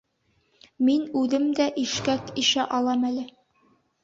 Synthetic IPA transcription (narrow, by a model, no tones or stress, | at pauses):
minʉðɘmd̪æʔiʃkækiʃæʔɑlˠɑmælɘ